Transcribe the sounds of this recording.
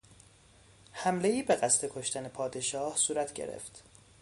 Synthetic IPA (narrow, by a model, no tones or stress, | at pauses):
hæmleiːbe̞ɣæst̪ʰe̞kʰoʃt̪æne̞pʰɒːd̪e̞ʃɒːhsuːɾæt̪ʰɟḛɾḛft̪